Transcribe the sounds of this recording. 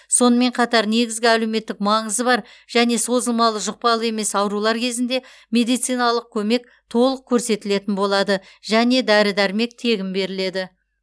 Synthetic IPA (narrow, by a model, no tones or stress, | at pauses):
so̞nəme̞ɴqʰɑt̪ɑɾne̞ɡʲɪzɡʲɪæleme̞t̪ːɪk̚mɑɴəzəbɑɾ | ʒ̥æne̞so̞zəlˠmɑlˠəʒʊq̚pɑlˠəe̞me̞sɑwɾulˠɑɾkʲʰe̞zɪnd̪e̞ | mʲe̞d̪ijt̪sɨjnɑlˠəq̚kʲʰɵme̞k̚ | t̪ʰo̞lˠəq̚kʲʰɵɾse̞t̪ɪle̞t̪ɪnbo̞lˠɑd̪ə | ʒæne̞d̪æɾɪd̪æɾme̞k̚t̪ʰe̞ɡʲɪmbe̞ɾɪle̞d̪ɪ